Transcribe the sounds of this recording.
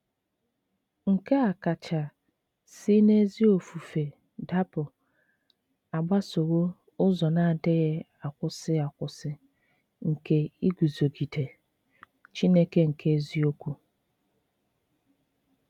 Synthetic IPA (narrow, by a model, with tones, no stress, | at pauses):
ŋ̩˨ke˦a˨ka˨t͡ʃa˨ | si˦ne˦zi˦o˨fu˨fe˨ | da˦pʊ˨ | a˨ɡ͡ba˦so˨ɣo˦ | ʊ˦zɔ˨na˨dɪ˦ɣɪ˦ | a˨kʷʊ˨sɪ˦a˨kʷʊ˨sɪ˦ | ŋ̩˨ke˦i˦ɡʷu˨zo˨ɡi˨de˨ | t͡ʃi˦ne˦ke˦ŋ̩˨kʰe˦zi˦o˦kʷu˨